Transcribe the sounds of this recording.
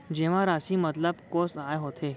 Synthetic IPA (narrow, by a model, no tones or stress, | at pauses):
d͡ʑeʋ̤ãɾasiːmət̪ləbkosajɦot̪ʰe